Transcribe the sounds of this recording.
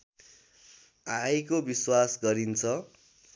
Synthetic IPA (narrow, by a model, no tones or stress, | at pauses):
ajkobiswasɡʌɾint͡sʰʌ